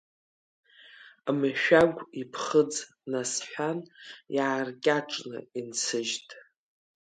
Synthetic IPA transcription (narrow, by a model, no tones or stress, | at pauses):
mɨʃᶣaɡʷipʰχəd͡z | nasħʷᶣanjaːrkʲʼaʈ͡ʂʼnɨ̰int͡sʰɨʒtʼ